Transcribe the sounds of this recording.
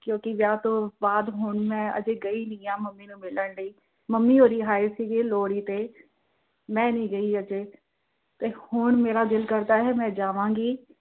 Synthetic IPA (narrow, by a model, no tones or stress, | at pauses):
kjõːkɪʋjaːt̪õːbaːd̪ɦʊɳmɛ̃ːə̰d͡ʒeːɡəiːnĩːãːməmːiːnũːmɪləɳləiː | məmːiːɦoːɾiːɦaːesiːɡeːloːɽiːt̪eː | mɛ̃ːnĩːɡəiːəd͡ʒeː | t̪eːhʊɳmeːɾaːd̪ɪlkəɾd̪aːɦɛːmɛ̃ːd͡ʒaːʋãːŋɡiː